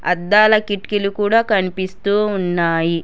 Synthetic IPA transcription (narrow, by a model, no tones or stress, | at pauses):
ɐ̰d̪ːaːlɐkiʈkilukuːɽaːkɐnipist̪uːunːaːji